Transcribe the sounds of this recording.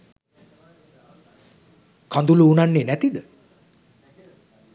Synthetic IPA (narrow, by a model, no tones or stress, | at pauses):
kʰand̪uluːnanːenæt̪id̪ə